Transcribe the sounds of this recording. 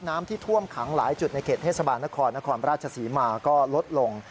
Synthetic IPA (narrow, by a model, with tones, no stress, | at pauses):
naː˦˥mt̪ʰiː˥˩t̪ʰu˥˩əmkʰa˩˦ŋlaː˩˦jt͡ɕu˨˩t̪̚na˧jkʰeː˨˩t̪ʰe˥˩sa˧baː˧nːa˦˥kʰɔː˧nːa˦˥kʰɔː˧nɾaː˥˩t̪̚t͡ɕʰa˧siː˩˦maː˧kɔː˥˩lo˦˥t̪̚lo˧ŋ